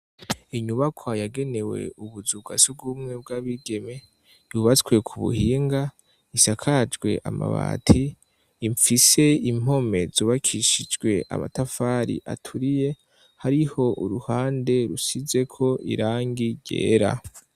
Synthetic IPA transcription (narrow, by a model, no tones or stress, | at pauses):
iɲuβakʰajaɡe̞ne̞we̞̰uβuzuɡa̰sub̚ɡuːmŋe̞bɡaβiɡe̞me̞ | juβat͡skwe̞kʰuβṵhiːŋɡa | isakʰad͡ʒɡwe̞̰ʔa̰ma̰βa̰ːtʰiː | ɱfise̞im̥ho̞me̞zuːβakʰiʃid͡ʒɡwe̞ʔa̰ma̰tafaɾḭʔa̰tʰuɾije̞ | haɾiho̞ʔuɾuhaːnde̞ɾusize̞kʰo̞ʔḭɾaːŋɡiɟe̞̰ːɾa̰